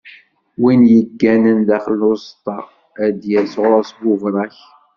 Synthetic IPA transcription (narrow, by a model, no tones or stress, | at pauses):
winjəɡːænənðæχəlːʊst̪ɑ | æd̪jælsʁɾˤɑsɡʊvɾˤɑç